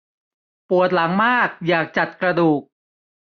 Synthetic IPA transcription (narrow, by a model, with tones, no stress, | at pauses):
pu˨˩ət̪̚la˩˦ŋmaː˥˩k̚jaː˨˩k̚t͡ɕa˨˩t̪̚kɾa˧duː˨˩k̚